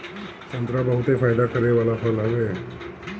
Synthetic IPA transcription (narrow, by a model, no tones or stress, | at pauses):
sənt̪ɾabəɦut̪efajd̪akəɾeʋalafʰəlɦəʋe